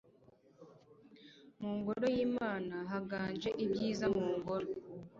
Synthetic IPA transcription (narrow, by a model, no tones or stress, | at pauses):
muːŋɡo̞ɾo̞jiːmaːnaɦaɡaːnd͡ʒe̞ʔibjiːzamuːŋɡo̞ɾo